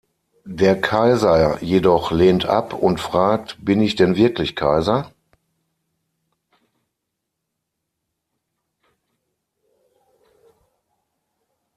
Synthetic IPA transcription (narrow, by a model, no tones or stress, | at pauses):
deːɐkʰaɪzɐjedɔχleːntʔa̰pʰʊntfʁ̥aːk̚tb̥ɪnɪçd̥ɛnvɪɐklɪçkʰaɪzɐ